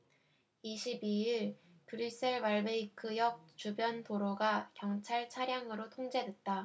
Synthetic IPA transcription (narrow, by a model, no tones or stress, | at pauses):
iɕʰibiiɭ | kɯɾis͈ʰeɭbaɭbeikʰɯjʌk̚t͡ɕubjʌnpoɾoɡakjʌŋt͡ɕʰaɭt͡ɕʰaɾjaŋɯɾotʰoŋd͡ʑe̞dwe̞t̚t͈a